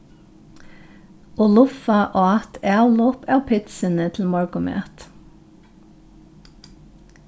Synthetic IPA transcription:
ɔlʊfɑʔɑːɑt̪ʰæːlɔːpʰɑːpʰɪt̪sənət̪ʰl̩mɔɹɡʊmḛːt̪

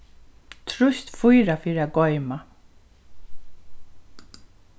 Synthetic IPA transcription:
t̪ʰɾʊst̪fʊjɾafiːɾaɡɔjma

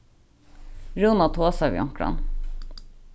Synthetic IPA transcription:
ɾuːnɑt̪ʰoːsɑʋj̰ɔ̰ŋkɽɑ̰n

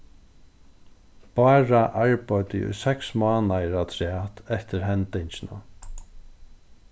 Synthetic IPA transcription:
paːɹaʔaɹpajt̪ɪʊ̰jsɛksmaːnaɾat̪ʰɾɪaːt̪ʰɛht̪ɪɾɦɛnt̪ɪɲt͡ʃɪna̰

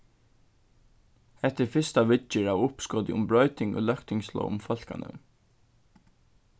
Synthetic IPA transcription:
ɛt̪əɹfɪst̪aʋɪt͡ʃɪɹaːwʊpskɔːt̪ɪʊmbɹœʏt̪ɪŋɔ̰lœkt̪ɪŋslɔ̰ːʊ̰mfɔl̥ka̰nə̰m

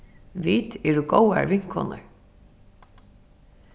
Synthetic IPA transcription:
ʋiːt̪ɛɹuɡowa̰ɹvɪŋ̥kʰɔ̰nə̰ɹ

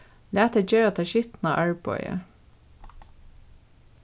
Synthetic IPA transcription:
læːt̪əd͡ʒeːɾɑt̪ʰɑːʃʏt̪n̩ɑ̰ːʔæɹbɔ̰ʏə̰

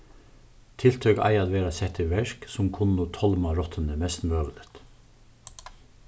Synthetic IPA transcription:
t̪ʰɪlt̪ʰœkɑ̰ɪɑd̪ʋeːɾɑsɛt̪ʰəʋɛʃksʊmkʰʊnnuːt̪ʰɔlmɑɾɔt̪ʰən̩əmɛst̪nmbøːʋələt̪

